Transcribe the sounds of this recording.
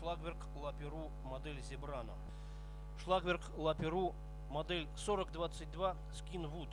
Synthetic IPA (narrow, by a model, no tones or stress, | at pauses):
ʂlˠaɡvʲɪrk | lˠɐpʲɪɾu | mɐd̪ɛlʲzʲɪbɾanə̰ | ʂlˠaɡvʲerklˠɐpʲɪɾu | mɐd̪ɛlʲsoɾəkd̪vat̪sɨt̚ʲd̪va | skʲinvut̪